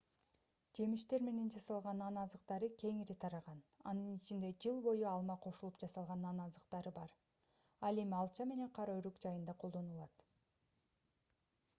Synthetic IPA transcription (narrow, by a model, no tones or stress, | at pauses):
d͡ʒe̞miʃt̪e̞ɾme̞ne̞nd͡ʒɑsɑlˠʁɑnɑnɑzɯq̚t̪ɑɾɯkʲʰe̞ŋiɾit̪ʰɑɾɑʁɑnɑ̰nɯnit͡ʃʰind̪e̞d͡ʒɯlˠbo̞juɑlˠmɑqʰo̞ʃulˠupd͡ʒɑsɑlˠʁɑnɑnɑzɯqt̪ɑɾɯbɑɾ | ɑlˠe̞miɑlˠt͡ʃɑme̞ne̞ɴqʰɑɾɑyɾykd͡ʒɑjɯnd̪ɑqʰo̞lˠd̪o̞nulˠɑt̪